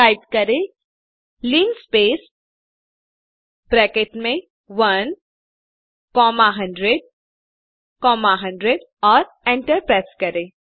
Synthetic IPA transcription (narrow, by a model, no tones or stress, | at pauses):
aːɪp̚kɐɾẽ | liːnspeːs | b̥ɾɛːkeːʈmẽ | ʋɐn | kɔːmaɦɐ̃ɳɖɾeɖ̚ | kɔːmaɦɐ̃ɳɖɾeɖ | ɔːɾ | ẽːɳʈəɾpɾaːskɐɾẽː